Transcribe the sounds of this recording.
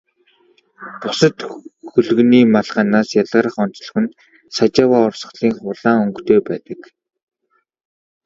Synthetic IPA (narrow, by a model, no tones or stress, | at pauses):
p̪ʊsə̆t̪xɵɮɵ̆ɣniːmaɮʁaːnaːsjaɮʁə̆ːɾə̆χɔn̥t͡s̆ɮɞ̆xɵ̆n | sat͡ɕaːwaːʊrsə̆ɮiːŋχʊɮaːŋɵŋkt̪eːpæːt̪ə̆k